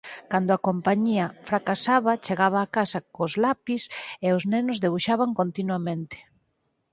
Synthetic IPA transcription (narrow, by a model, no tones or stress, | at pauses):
kand̪ʊakompaɲiɐfɾakasaβɐt͡ʃeɣaβaːkasɐkozlapiseʊznenʊzðeβuʃaβaŋkont̪inwamẽnt̪ɪ̥